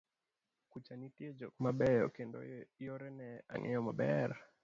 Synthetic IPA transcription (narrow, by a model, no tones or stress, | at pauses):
kut͡ʃanitied͡ʒɔkmabɛjɔkendɔ̰jɔɾɛnɛa̰ŋʔɛ̰jɔmabɛɾa